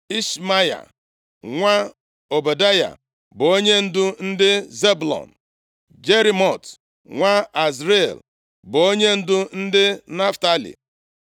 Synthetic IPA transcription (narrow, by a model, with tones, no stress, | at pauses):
i˦ʃma˦ja̰˨ | ŋʷa˦ | o˨be˨da˦ja̰˨ | bʊ˨o˦ɲe˦n̩˦dʊ˦n̩˦dɪ˦ze˦blɔ̰˨n̩˨ | d͡ʒe˦ɾi˦mɔ˨t | ŋʷa˦a˨sɾe˦˨l | bʊ˨o˦ɲe˦n̩˦dʊ˦n̩˦dɪ˦na˦fta˦lḭ˨